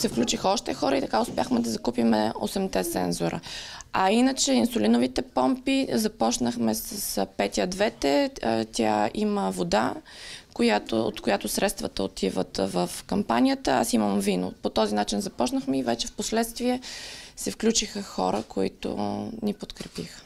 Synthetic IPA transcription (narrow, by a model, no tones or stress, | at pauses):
sɛfklʲut͡ʃixəɔʃt̪ɛxɔɾəit̪ɐkaʊspʲjaxmɛd̪ɐzɐkupimɛ̰o̰sɛmt̪ɛt̪sɛ̰nzoɾʔə̰ɐinət͡ʃɛinsʊlinovit̪ɛpɔmpizɐpɔt͡ʃnəxmɛsəspɛt̪ʲjəd̪vɛt̪ɛt̪ʲʰa̰iməvod̪a̰kojat̪o̰o̰t̪koʊjat̪ʊsɾɛt̪st̪vət̪əot̪ʰivə̰t̪vəfkɐmpanijət̪əa̰siməmvino̰pot̪ɔzinat͡ʃinzɐpɔt͡ʃnəxmɛivɛt͡ʃɛfposlɛt̪st̪viɛsɛfklʲut͡ʃixəxɔ̰ɾəkoḭt̪ʊ̰nipot̪kɾɛpix